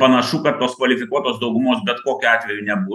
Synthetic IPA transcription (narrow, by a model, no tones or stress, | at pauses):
pɐnɐʃuːkɐt̪ːoːskʋɐlʲɪfʲɪkuɔt̪oːsd̪ɒʊɡʊmoːsbʲɛt̪koːkʲʊɑːt̪ʲʋʲɛjunʲɛbuː